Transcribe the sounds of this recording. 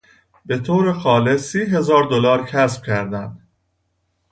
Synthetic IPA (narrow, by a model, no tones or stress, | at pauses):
be̞t̪ʰoːɾexɒːle̞siːɦe̞zɒːɾd̪olɒːɾcʰæsb̥cʰæɾd̪ænd̪̥